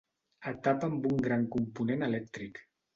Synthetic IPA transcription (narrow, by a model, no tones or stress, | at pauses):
ət̪apəmbuŋɡɾaŋkumpunenəlɛk̚t̪ɾik